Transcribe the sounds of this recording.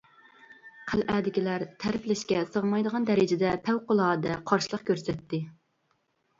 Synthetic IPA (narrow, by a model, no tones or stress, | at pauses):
qʰælʔæːd̪ɪkʲilæɾt̪ʰæɾɪplɪʃkʲɛsəʁəmɑjd̪əʁɑnd̪ɛɾɪd͡ʒɪd̪ɛpʰɛwqʊlˠɑːd̪ɛqʰɑɾʃɨlˠəχkʲʰøɾsɛt̪ʰːɪ